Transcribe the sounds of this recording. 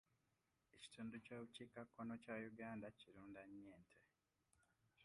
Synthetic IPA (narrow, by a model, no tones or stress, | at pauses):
eci̥tʰuːnducaːβuciːkakːo̞no̞cajuɡaːndaciɾuːndaɲːeːntʰe